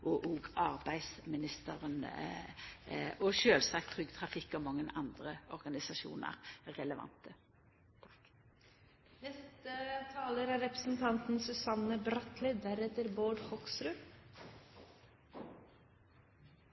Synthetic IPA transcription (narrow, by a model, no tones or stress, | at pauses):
ʔɔʔɔːɡɑʁbæɪsmɪnɪst̪əʁən | ɔʃøːlsɑk̚t̪ʰʁʏɡt̪ʰʁɑfɪkːɔmɑŋːənɑnd̪ʁəɔʁɡɑnɪsɑʃṵːnə̰ʁʁɛləʋɑ̰nt̪ə | nɛst̪ət̪ʰɑːləɾæɾɛpɾəsn̩t̪ʰɑnt̪n̩sʉsɑnəbɾɑt̪lɪd̪æɾɛt̪əɾboːɖhɔksɾʉ